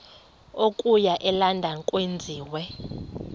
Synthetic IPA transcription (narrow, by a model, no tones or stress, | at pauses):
okʼujaʔɛlandʱaŋkʼwend͡zʱiːwɛ